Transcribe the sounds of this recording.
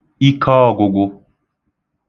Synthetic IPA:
i˦kʰɔː˦˨ɡʊ˨ɡʊ˦

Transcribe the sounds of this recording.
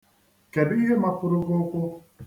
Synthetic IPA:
ke˨di˦ɦe˦ma˦pʊ˦ɾʊ˦ɡʊ˦kʷʊ˦

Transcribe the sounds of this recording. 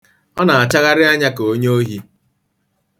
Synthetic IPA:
ɔ˦na˨a˨t͡ʃa˦ɣa˦ɾɪ˦a˦ɲa˦ko˦ɲo˦ɦi˦

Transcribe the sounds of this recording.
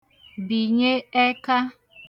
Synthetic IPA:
bi˨ɲe˦e˦ka˦

